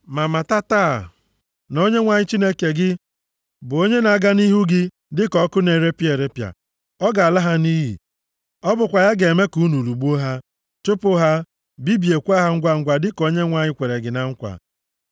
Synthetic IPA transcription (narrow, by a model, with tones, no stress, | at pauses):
ma˨ma˨ta˦taː˦˨ | no˦ɲe˦ŋʷa˨ɲɪ˦t͡ʃi˦ne˦ke˨ɡɪ˦ | bʊ˨o˦ɲe˦na˨˦ɡa˦ni˦ɦu˦ɡɪ˦ | dɪ˦kɔ˨˦kʊ˦ne˨ɾe˦pje˨ɾe˦pja̰˨ | ɔ˦ɡa˨a˨la˦ɦa˦ni˦ɦḭ˨ | ɔ˦bʊ˨kʷa˨ja˦ɡe˨me˦ku˨˦nu˨lu˨ɡ͡bu˦o˦ɦa˦ | t͡ʃʊ˦pʊ˦ɦa˦ | bi˦bi˨e˨kʷa˦ɦa˦ŋ̩˦ɡʷa˦ŋ̩˦ɡʷa˨dɪ˦ko˦ɲe˦ŋʷa˨ɲɪ˦kʷe˨ɾe˨ɡɪ˨na˨ŋ̩˦kʷa̰˨